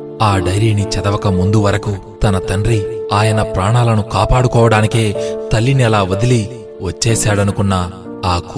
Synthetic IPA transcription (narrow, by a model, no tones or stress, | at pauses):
aːɖɐjɾiːnit͡ʃɛd̪ɐʋɐkɐmund̪uʋɐɾɐkut̪ɐnɐt̪ɐɳɖɾiaːjɐnɐpɾaːɳaːlɐnukaːpaːɽukɔːʋɐɽaːnikeːt̪ɐlːinɛlaːʋɐd̪ili | ʋɐt͡ʃːɛːsaːɽɐnukunːɐ | aːkː